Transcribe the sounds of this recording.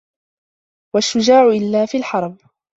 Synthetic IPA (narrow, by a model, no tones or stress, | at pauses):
waʃːʊd͡ʒaːʕʊʔɪlːaːfiːlħɑɾˤb